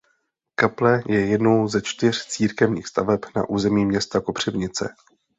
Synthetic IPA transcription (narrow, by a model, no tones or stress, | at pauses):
kaplɛjɛjɛdno̞wzɛt͡ʃt̪ɪr̝̥t͡siːɾkɛvɲiːxst̪a̰vɛpna̰ʔuːzɛmiːmɲɛst̪ako̞pr̝̥ɛvɲɪt͡sɛ̰